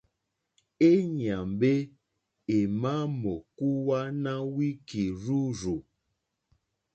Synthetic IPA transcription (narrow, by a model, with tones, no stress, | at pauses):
e˦ɲ˨a˨mbe˦ | e˨ma˦mɔ˨ku˦wa˦na˦wi˦ki˨ɾu˦ɾu˨